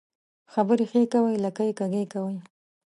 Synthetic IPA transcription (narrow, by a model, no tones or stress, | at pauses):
xabəɾexekawəjlakajekaɡekawəj